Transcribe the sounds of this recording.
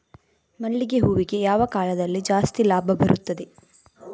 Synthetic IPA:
mɐɭːiɡeɦuːʋiɡe̞jaːʋɐkaːlɐd̪ɐlːid͡ʒaːst̪ilaːbʱɐbɐɾʔut̪ːɐd̪e̞

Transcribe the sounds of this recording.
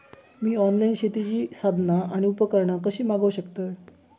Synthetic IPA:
miːɔnlainɕet̪it͡ɕiːsad̪ʱnaaɽ̃iupəkəɾɳakəɕiːmaɡəʋɕəkt̪əj

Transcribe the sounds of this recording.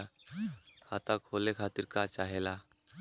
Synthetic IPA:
a | kʰat̪akʰolekʰat̪iːɾkat͡ʃaɦela

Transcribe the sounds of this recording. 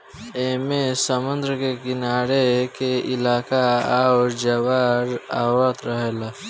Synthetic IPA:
eːmẽsəmʊ̃nd̪ɾəkekɪnaːɽekeɪlaːkaaːwɾd͡ʒəʋaːɾaːwɾət̪ɾəɦeːlaː

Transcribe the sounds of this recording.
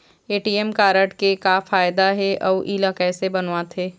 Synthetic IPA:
eːʈiːɛmkaːɾəʈkekafaːjd̪aɦɛʔɔːʔiːlakɛːsebɐnʋãt̪ʰeː

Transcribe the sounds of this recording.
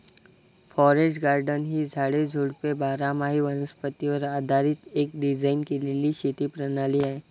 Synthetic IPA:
fʰɔːɾesʈɡaːɾɖənɦid͡ʒʱaːɽed͡ʒʱuːɽpebaːɾamaːɦiʋənəspət̪iɔːɾaːd̪ʱaːɾɪt̪eːk̚ɖɪd͡ʒaːɪnkilɪliʃiːt̪ipɾənaːliae

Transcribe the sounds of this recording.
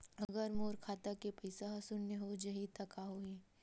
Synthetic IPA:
ɐɡəɾmoːɾkʰaːt̪akepɐɪsasʊnneɦod͡ʒɐɦit̪ɐkaɦoeː

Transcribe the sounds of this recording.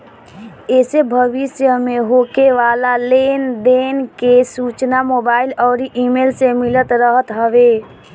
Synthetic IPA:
esebʱəʋisjəmeɦokeʋalalend̪enkesut͡ʃnamobailɔːɾiʔimelsemilət̪ɾəɦət̪ɦəʋe

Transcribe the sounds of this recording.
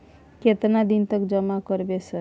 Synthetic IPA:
ket̪nad̪int̪əkd͡ʒəmakəɾbesə

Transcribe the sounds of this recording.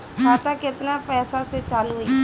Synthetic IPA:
kʰaːt̪akɪt̪naːpɛːsaset͡ʃalɦui

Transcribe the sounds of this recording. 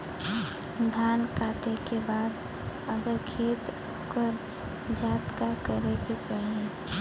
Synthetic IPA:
d̪ʱaːnkaːʈekebaːd̪ | əɡəɾkʰeːt̪ | okəɾ | d͡ʒaːt̪kakəɾeket͡ʃaːɦie

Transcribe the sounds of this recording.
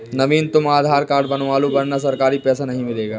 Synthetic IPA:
nɐʋiːnt̪ʊmaːd̪ʱaːɾkaːɾɖbɐnʋaːlubɐnːasɐɾkaːɾipɛːsanɐɦĩmɪleːɡaː

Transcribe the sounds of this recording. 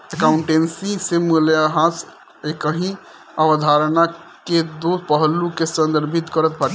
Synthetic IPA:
əkauɳʈensĩsemuljaɦãs | ekəɦĩ | aʋəd̪ʱaɾna | ked̪opəɦlukesənd̪əɾbʱit̪kəɾət̪̚bʱak

